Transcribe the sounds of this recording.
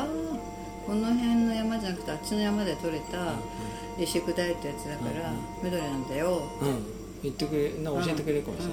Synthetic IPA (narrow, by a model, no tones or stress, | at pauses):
aː | ko̞no̞ɦẽ̞nːo̞jamad͡ʑanakɯ̟̥t̪eat͡ɕino̞jamad̪e̞t̪o̞ɾe̞t̪a | ɾiɕikɯ̟d̪ait̪ːojat͡sɨd̪akaɾa | med̪o̞ɾʲenãnd̪ajot̪ː | it̪ːekɯɾenãot͡ɕĩt̪ekɯɾeko